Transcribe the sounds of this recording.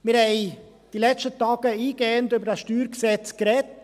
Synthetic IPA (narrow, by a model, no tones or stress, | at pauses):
mɪɾhɛɪ | d̥ilɛt͡ʃtətɑːɡ̥əiːɡɛːəntʏbədasʃtyːɾksɛt͡skɾɛt